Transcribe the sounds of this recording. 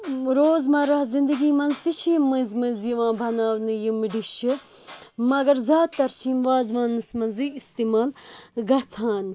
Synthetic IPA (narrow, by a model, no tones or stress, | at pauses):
ɾoːzmɐɾɐhzind̪ɨɡiːmɐnzt̪it͡ʃʰimɨ̃nzmɨnzjiʋãːbʱɐnaːwnɨjimɖiʃi | mɐɡɐɾzaːt̪ːɐɾt͡ʃʰiːmʋaːzʋaːnːɨsmɐnzɨist̪iːmaːlɡɐt͡sʰãːn